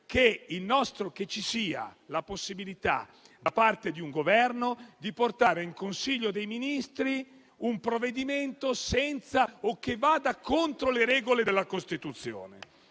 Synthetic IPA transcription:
keilnɔst̪ɾok̟et͡ʃːisiːa̰laposːibilit̪a̰ | d̪apart̪ed̪iuŋɡovɛrnod̪iport̪aːɾeiŋkonsiʎːod̪ejminist̪ɾi | umpɾovːed̪iment̪osɛnt̪saokːevːaːd̪akont̪ɾoleɾɛːɡoled̪elːakost̪it̪ut̪sːjo̰ːnḛ

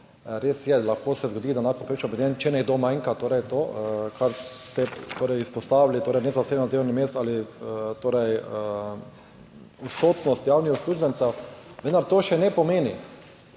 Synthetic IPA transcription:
ɾeːsjɛlaxkoːsɛzɡod̪iːd̪anat̪̚popɾet͡ʃɔpɛd̪ent͡ʃɛnɛɡd̪oːmãjŋkat̪oːɾɛjt̪oːkʰaɾt̪ɛt̪oːɾɛjispɔst̪aːʋlit̪oːɾɛjnɛzaseːbnɔd̪ewnimeːst̪alit̪oːɾɛj | usoːt̪nɔst̪jawnixusklʲuːʒbɛnt̪sɛwʋənd̪aɾt̪oːʃɛnɛpɔmeːni

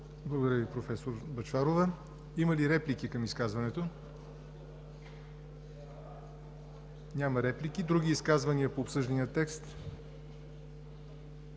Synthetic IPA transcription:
blˠəɡod̪ɐɾʲjəvipɾofɛsoɾbɐt͡ʃvaɾovə | imɐliɾɛplikikɐmiskazvɐnɛt̪o | nʲamɐɾɛplik̟id̪ɾuɡʲiːskazvɐniəpoːpsɤʒd̪ɐnijət̪ːɛkst̪

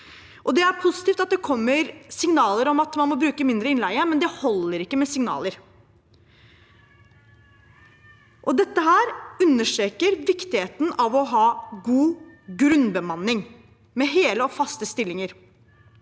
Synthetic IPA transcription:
ʔɔd̪ɛæɾpʰʊsɪ̥t̪iːft̪ɑt̪̚d̪ɛkʰɔmːəɾsɪŋnɑːləɾɔmɑt̪mɑnmɔbɾʉːkəmɪnd̪ɾəɪnlæɪəmɛnd̪ɛhɔlːəɾɪkːəmɛsɪŋnɑ̰ːləɾ | ʔɔd̪ɛt̪ːəɦæːɾʉnːəʂʈɾeːkəɾʋɪkt̪ɪheːt̪n̩ɑʋɔɦɑːɡuːɡɾʉnbəmɑnːɪŋ | mɛɦeːləɔfɑst̪əst̪ɪlːɪŋəɾ

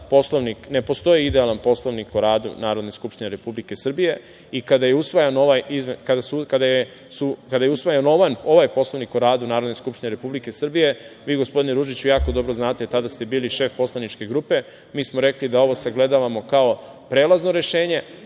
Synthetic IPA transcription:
po̞slˠoʋnikne̞po̞st̪o̞jiid̪ealˠanpo̞slˠo̞ʋnikoɾaːd̪ṵnaːɾod̪neskupʃt̪ine̞ɾe̞publike̞sr̩bije̞ | ikad̪ajeusʋajanoʋajizmekad̪asukad̪aje | sukad̪ajeusʋajano̞ʋano̞ʋajpo̞slo̞ʋnikoɾaːd̪unaːɾod̪neskupʃt̪ine̞ɾe̞publike̞sr̩bije̞ʋiːɡospo̞d̪ineɾuʒit͡ɕujaːko̞d̪o̞bɾo̞znaːt̪et̪ad̪ast̪e̞biːliʃe̞ːfpo̞slˠanit͡ʃke̞ɡɾuːpe̞ | miːsmoɾe̞klid̪ao̞ʋo̞seɡle̞d̪aʋamo̞kao̞ | pɾeːlˠazno̞ɾe̞ʃeːɲe̞

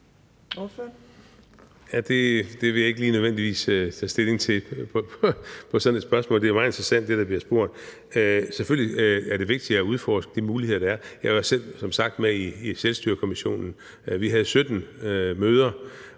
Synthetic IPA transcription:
jæd̥e̝d̥e̝ʋe̝jɑ̈e̝ɡ̥əliːnøð̞ˠʋen̰d̥iʋḭːsøt͡sʰɛ̰ːsd̥e̝le̝ŋt͡sʰe̝pʰɒ̽pʰpʰɒ̽sɒ̽ne̝d̥sb̥ɶɐsmɔ̰̽ːld̥eæɐmɑ̈ð̩ˠe̝nd̥ʁɐsæn̰d̥ːe̝d̥ɑ̈b̥liɐsb̥o̝ɐ̰d̥ˠ | seføl̰liæɐɾ̥e̝ʋe̝ɡ̥̚d̥iæuð̞ˠfɒ̰ːsɡ̥əd̥imuːliheðˠɐd̥ɑæɐjɑ̈ɪʋɑ̈sel̰sɒ̽msɑ̈ɡ̥̚d̥meiːselsd̥yɐkʰo̝miɕo̝̰ːnn̩ | ʋiɦæð̞̩ˠsød̥n̩møːð̞ˠɐ

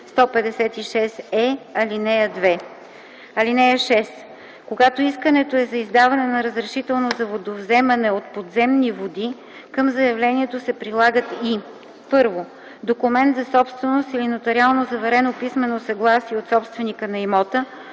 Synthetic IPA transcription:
st̪ɔpɛd̪ɛsɛt̪iʃɛsɛɐlinɛjəd̪vɛ | ɐlinɛəʃɛs | koɡat̪oiskənɛt̪oɛzɐizd̪avɐnɛnɐɾəzɾɛʃit̪ɛlˠnozɐvod̪ovzɛmɐnɛot̪̚pod̪zɛmnivod̪i | kɤmzɐjɐvlɛniɛt̪osɛpɾilˠaɡət̪i | pɤɾvo | d̪okumɛnt̪zɐsɔpst̪vɛnost̪ilinot̪ɐɾialˠnozɐvɐɾɛnopismɛnosɐɡlˠasiɛot̪sɔpst̪vɛnikənɐimɔt̪ə

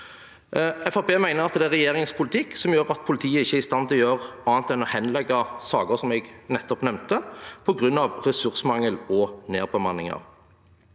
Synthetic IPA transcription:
ɛfɑpeːmæɪnəʁɑt̪̚d̪ɛæʁɛjeːʁɪŋspʰʊlɪt̪ʰɪkːsɔmjøːʁɑt̪̚pʰʊlɪt̪ʰiːəɪçəæɾɪst̪ɑnt̪ʰɪlɔjøːʁɑːɑnt̪ɛnɔhɛnlɛɡːɑsɑːɡəsɔmɛɡnɛt̪ːɔpnɛmnt̪əpʰɔɡʁʉnːɑʋʁɛsʉʁsmɑŋəlɔneːʁbəmɑnːɪ̰ŋɑ̰ʁ

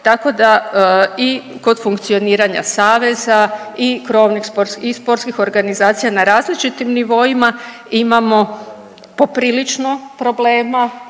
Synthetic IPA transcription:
t̪ako̞d̪a | i | ko̞d̪fuŋkt̪sio̞niːɾaɲa̰saːʋe̞zaikɾo̞ːʋnixspoɾtsispo̞ɾt̪skixo̞ɾɡanizaːt̪sijanaɾaːzlit͡ʃit̪imniʋo̞ima | imamo̞ | po̞pɾiːlit͡ʃno̞pɾo̞ble̞ːma

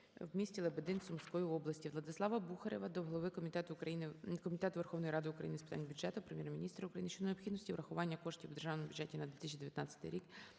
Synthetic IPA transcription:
wmʲisʲtʲilˠebed̪ɪnsʊmsʲkɔjiɔblˠɐsʲtʲiʋlˠɐd̪ɪslˠɑʋɐbuxɐɾʲeʋɐd̪ɔɦɔlˠɔʋɪkmʲit̪ɛt̪ʊɐinɪkɔmʲit̪ɛt̪ʊʋerxɔwnɔjɾɑd̪ɪʊkɾɐjinɪspɪt̪anʲbʲʊd̪d͡ʒɛt̪ʊpɾemʲjɛɾmʲinʲist̪ɾɐʊkɾɐjinɪʃt͡ʃɔneɔpxʲid̪nsʲtʲiʋɾʔɐxʊʋɑnʲːɐkɔʃtʲiwːd̪eʒɑwnmʊbʲjʊdd͡ʒɛtʲinɐd̪ʋʲit̪ɪsʲt͡ʃʲid̪eʋjɐt̪nɑt͡sʲɐt̪ɪ̰jɾʲik

